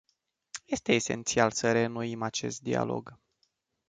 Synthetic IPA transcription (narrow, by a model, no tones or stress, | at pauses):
je̞st̪e̞ːse̞̰nt̪sialsəɾe̞nuimat͡ʃe̞̰st̪̚d̪ia̰lo̞̰ɡ